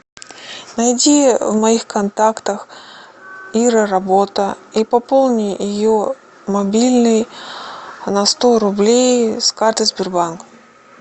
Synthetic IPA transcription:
nɐjdʲivmɐixkɐnt̪akt̪əx | iɾəɾɐbo̞t̪əipɐpo̞lˠnʲɪjɪjo | mɐbʲilʲnɨj | nɐst̪oɾʊblʲejskart̪ɨzʲbʲɪrbank

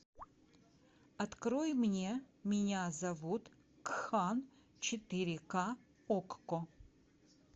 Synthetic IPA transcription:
ɐt̪kɾojmnʲemʲɪnʲazɐvut̪ | kxan | t͡ʃʰɪt̪ɨɾʲɪka | okːo

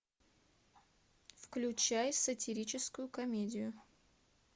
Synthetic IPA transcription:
fklʲʊt͡ɕajsətʲɪɾʲit͡ɕɪskʊjʊkɐmʲedʲɪjʊ

